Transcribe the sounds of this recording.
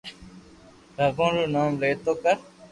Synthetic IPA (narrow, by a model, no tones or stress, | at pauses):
ɾʱəɡõːɾuːnaːmleːt̪oːkəɾ